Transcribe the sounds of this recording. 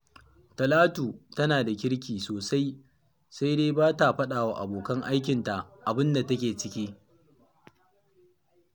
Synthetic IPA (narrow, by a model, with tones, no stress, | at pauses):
tɐ˨laː˦tuː˨tɐ˦naː˨da˨kʲɪ˦ɽkʲiː˨soː˨sa˦j | sa˦jdeː˦baː˦ta˨ɸɐ˦ɗaː˨wa˦˨ʔa̰˨boː˨kɐ˦ŋʔa˦jk̬ʲɪ˨nta˨ʔʔa˨bɪ˦nda˨tɐ˦kʲeː˨t͡ʃɪ˦kʲiː˦